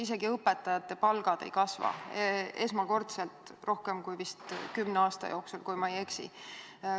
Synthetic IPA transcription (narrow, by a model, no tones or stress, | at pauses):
ise̞ɡiɤpːe̞t̪ːˑɑjɑt̪ːˑe̞pɑlɡ̥ɑd̪̥e̞̰jkɑsvɑ̰ee̞smɑko̞rt̪selt̪ˑ | ro̞hkemkujvist̪kymneɑːst̪ɑ̰jo̞ːksulkujmɑeje̞ksḭ